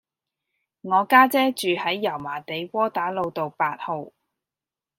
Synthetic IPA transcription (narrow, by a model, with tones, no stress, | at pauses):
ŋɔː˨˧kaː˥t͡sɛː˥t͡ʃyː˨hɐ˨˥jːɐ˨˩wmaː˨˩t̪e˨˧jwɔː˥t̪aː˨˥lo˨˧wt̪o˨˧wpaː˧t̚ho˨w